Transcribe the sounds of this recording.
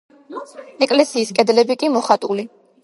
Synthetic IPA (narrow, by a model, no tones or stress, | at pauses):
ɛkʼlɛsiːskʼɛd̪lɛbikʼimɔχat̪ʼuli